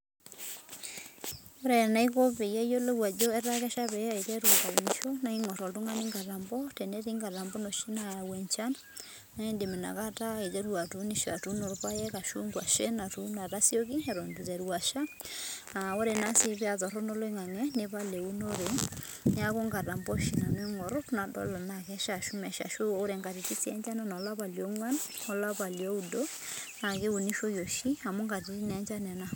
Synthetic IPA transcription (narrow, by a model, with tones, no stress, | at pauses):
o˦ɾɛ˨na˦i˦ko˦pe˨jɛ˦jo˦lo˦wa˨d͡ʒo˦ɛ˦ɾa˦kɛ˦ʃa˦βɛ˨a˦e˨kɛ˦ɾwa˨ka˨u˨ni˨ʃɔ˦na˦i˦ŋɔ˨tɔ˨tu˦ŋa˦ni˦ŋɡa˨la˨mbɔ˦tɛnɛ˦ti˦ŋɡa˨la˨mbɔ˦no˨ʃi˦naja˨wɛ˨ɲt͡ʃa˦n | na˦e˦nde˨me˨na̰˨ka˦ta˦e˨kɛ˦ɾwa˨tu˨˦ni˦ʃɔ˨a˨tu˦no˨ɾpa˦jɛ˦ka˨ʃu˦ŋɡwa˨ʃe˦na˨tu˦na˨ɾa˦sjo˦ki˦ɛ˨ɾo˨ndi˨tɛ˨ɾwa˨ʃa˦ | a˨wo˦ɾe˨na˦si˦pja˨tɔ˨ɾɔ˦nɔ˦lo˦i˦ŋa˨ŋɛ˦ne˨˦pa˦le˨u˦no˦ɾe˨ | n˦a˦ko˦ŋɡa˨ta˨mbɔ˦ʃi˨na˨n˦o˦ŋɔ˨ɾʊ˦kna˨dɔ̰˦lɔ˨na˨kɛ˦ʃa˨ʃu˦mɛ˨ʃa̰˨ʃo˦ɾɛ˨ŋɡa˨ti˨ti˦si˦ɛ˦nt͡ʃa˦na˦nɔ˨˦la˦pa˨ljɔ˦ŋwa˦n | ɔ˨la˦pa˨ljɔ˦u˨do˦ | na˨ke˦u˨ni˦ʃo˦jo˨ʃi˦a˨mu˦ŋɡa˨ti˦ti˦nɛ˨˦nt͡ʃa˦nɛ˨na˦